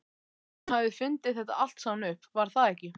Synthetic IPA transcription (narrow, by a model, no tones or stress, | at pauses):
havðɪfʏnt̪ɪðθɛht̪a̰al̥t̪sawnʏhpːvaɾ̥θaðɛhcɪ